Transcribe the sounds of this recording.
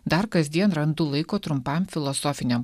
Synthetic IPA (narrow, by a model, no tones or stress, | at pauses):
d̪ɐɾkɐzʲd̪ʲiɛnɾɐnd̪ulˠɐɪkoːt̪ɾʊmpɑmfʲɪlˠɔsoːfʲɪnʲɛm